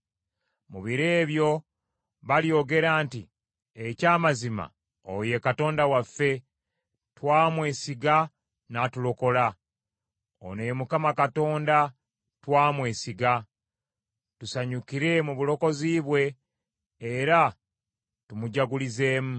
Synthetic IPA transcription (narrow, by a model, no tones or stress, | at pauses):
muβiɾe̞ːβjo̞ | βaljo̞ɡe̞ɾaːnti | ecaːmazima̰ | o̰je̞kato̞ːndawafːe̞ | twaːmwe̞ːsiɡa | natulo̞ko̞la | o̰nemukamakato̞ːnda | twaːmwe̞ːsiɡa | tusaɲukiɾe̞muβulo̞ko̞ziːβwe̞ː | ɾa | tumuɟaɡulize̞ːmu